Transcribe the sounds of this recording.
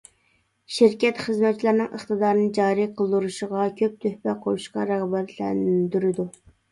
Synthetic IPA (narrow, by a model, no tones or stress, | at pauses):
ʃiɾkʲɛt̪χəzmɛt͡ʃːʰilˠæɾnɨŋʔəχt̪ɨd̪ɑːɾɨnɨd͡ʒɑːɾiqʰəlˠd̪uɾuʃəʁɑkʲʰøp̚t̪ʰøhpɛqʰojuʃqɑɾæʁbæt̪lɛ̰nd̪yɾɪd̪u